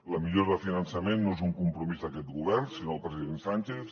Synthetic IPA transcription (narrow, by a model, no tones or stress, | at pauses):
ləmiʎoɾðəfinansəmenːoezuŋkumpɾumizðəkɛt̪ɣuβ̞ɛɾnsinoəlˠpɾəziðensanʲt͡ʃeθ